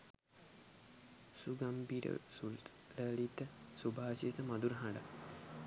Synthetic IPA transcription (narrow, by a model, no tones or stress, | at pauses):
suɡambiːʈə̰sult̪ | ləːlit̪əsubʱaːsiət̪əmad̪uɾəɦãɳɖə̰